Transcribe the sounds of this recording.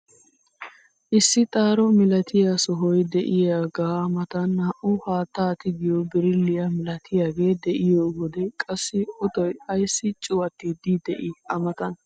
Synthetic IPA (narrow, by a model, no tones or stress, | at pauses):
ʔɪsːɪt̪ʼaːɾɔmɪlɐt̪ʰɪjasɔɦɔjd̪ɛʔɪjaːɡaːmɐt̪ɐnhɐʔʊhaːt̪ːaːt̪ɪɡɪjɔbɪɾɪlːɪjɐmɪlɐt̪ʰɪjaːɡe̞ːd̪ɛʔɪjoːɡɔd̪ɛkʼɐsːɪɔt̪ɔjɐjsːɪt͡ʃʼʊwɐt̪ːɪd̪ɪd̪ɛʔɪɐmɐt̪ɐn